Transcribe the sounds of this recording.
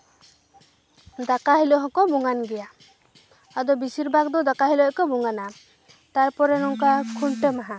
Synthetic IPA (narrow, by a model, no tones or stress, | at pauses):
d̪akaɦilɔɦɔ̃kɔbuŋanɡɛjaː | d̪ɔbisiɾbak̚d̪ɔd̪akaɦilɔkɔbuŋana | t̪aɾpɔɾɛnɔŋkakʰuɳʈəmaɦã